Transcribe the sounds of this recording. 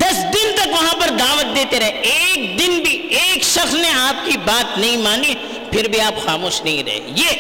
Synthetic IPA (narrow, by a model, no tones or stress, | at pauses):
d̪ɐsd̪ɪnt̪ɐkʋɐɦãpɐɾd̪aːʋət̪̚d̪eːt̪eɾɐɦeeːk̚d̪ɪnbʱieːkʃɐxsneaːp̚kibaːt̪nɐɦĩmaːni | pʰɪɾbʱiaːpxaːmoːʃnɐɦĩɾɐ̰ɦḛjeː